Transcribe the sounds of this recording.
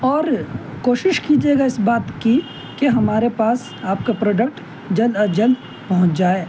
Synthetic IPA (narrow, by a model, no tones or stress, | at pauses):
ɔːɾ | koːʃɪʃkid͡ʒeːɡaɪsbaːt̪ki | keɦɐmaːɾepaːs | aːp̚kapɾoːɖək̚ʈ | d͡ʒɐlɐɾd͡ʒəl | pɐɦʊ̃t͡ʃd͡ʒaːeː